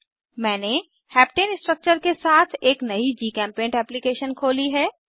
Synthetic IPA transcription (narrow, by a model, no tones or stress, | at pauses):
mɛ̃ːne | hɛːpʈeːnsʈɾək̚t͡ʃəɾkesaːt̪ʰeːknɐid͡ʒiːkɛ̃ːmpẽːɳʈɛːplikeːʃənkʰoːliɦɛː